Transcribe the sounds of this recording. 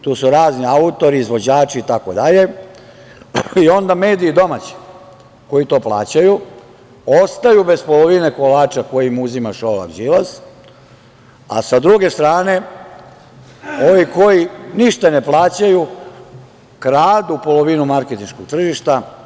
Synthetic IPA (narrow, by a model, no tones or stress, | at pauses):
t̪uːsuɾaːzniaut̪o̞ɾiːzʋo̞d͡ʑaːt͡ʃiːt̪ako̞d̪aʎe̞ | io̞nd̪ame̞ːd̪iːd̪o̞mat͡ɕi̥ | ko̞it̪o̞ːplˠa̰ːt͡ɕaju | o̞st̪ajube̞spo̞lo̞ʋine̞ko̞laːt͡ʃako̞jimuzimaʃola̰ɡd͡ʒilaz | a̰sad̪ɾuɡe̞st̪ɾaːne̞ | o̞ʋiko̞jiniʃt̪ane̞plˠaːt͡ɕaju | kɾaːd̪upo̞loʋinumaɾket̪inʃkoɡ̥̚t̪r̩ʒiʃt̪a